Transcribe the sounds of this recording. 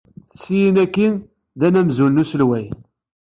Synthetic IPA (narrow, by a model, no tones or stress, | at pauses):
θsijinækːin | ðænæmzulnusəlwæj